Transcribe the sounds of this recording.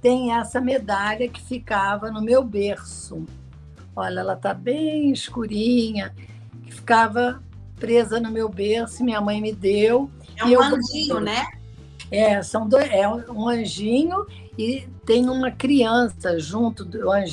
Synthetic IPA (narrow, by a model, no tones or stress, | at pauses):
t̪ẽj̃ɛsɐmed̪aʎɐkɪ̥fikavɐnʊmewbeɾsʊ | ɔʎɐɛlɐt̪abẽj̃ɪʃkuɾĩɲɐ | kɪ̥fi̥kavɐ | pɾezɐnʊmewbeɾsʊɪmĩɲɐmɐ̃j̃mɪd̪ew | ɛɪewɐ̃ʒĩɲʊnɛ | ɛsɐ̃w̃d̪ojɛ̃ũɐ̃ʒĩɲʊ | ɪt̪ẽj̃ũmɐkɾiɐ̃sɐʒũnt̪ʊd̪ʊɐ̃ʒ